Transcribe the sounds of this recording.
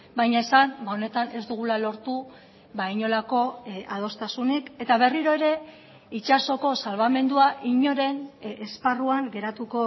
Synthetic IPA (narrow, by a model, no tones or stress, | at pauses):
bajɲaesanbaone̞t̪anezd̪uɣ̞ulalo̞ɾt̪u | βaiɲo̞lako̞að̞o̞st̪asunike̞t̪aβ̞e̞riɾo̞e̞ɾe̞ | it͡ʃaso̞ko̞salβame̞nd̪uaʔiɲo̞ɾe̞nesparuaŋɡe̞ɾat̪uko̞